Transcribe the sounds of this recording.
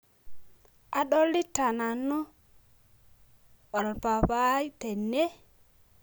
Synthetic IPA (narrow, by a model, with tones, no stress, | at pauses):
a˨ɗɔ˦lːi˦ta˨na˨nu˦ | ɔ˨lpa˨pa˦i˦te˨nːe˦